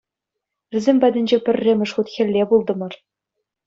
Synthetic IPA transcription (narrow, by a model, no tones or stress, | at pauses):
ʋʲɘ̆zʲemʲpʲæd̪ʲɘ̆nʲd͡ʑepʲɘ̆rʲːemʲɘ̆ʂχut̪xʲɘ̆lʲːebulˠd̪ɤ̆mɤ̆r